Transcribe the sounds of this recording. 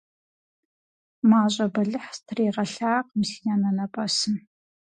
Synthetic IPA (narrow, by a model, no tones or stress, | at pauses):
maːɕʷʼɐbɐɮɨħstʰreːʁɐɬaːq̚msinanɐnɐpʼɐsɨm